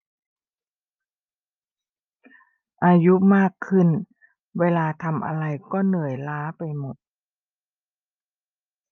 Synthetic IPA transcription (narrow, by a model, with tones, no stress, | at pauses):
ʔaː˧ju˦˥maː˥˩kʰːɯ˥˩n | weː˧laː˧t̪ʰa˧mʔa̰˧ɾa˧jkɔː˥˩nɯ˨˩əjlaː˦˥pa˧jmo˨˩t̪̚